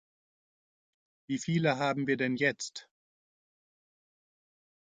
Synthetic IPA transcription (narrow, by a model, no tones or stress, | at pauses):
viːfiːləɦaːbm̩viːɐdɛnjɛt͡st